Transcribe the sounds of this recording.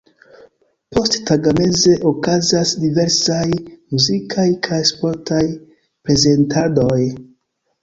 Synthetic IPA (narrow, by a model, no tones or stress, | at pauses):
po̞sttaɡame̞ze̞ʔokazasdive̞ɾsajmuzikʰajkʰajspo̞ɾtʰaj | pɾe̞ze̞ntʰado̞j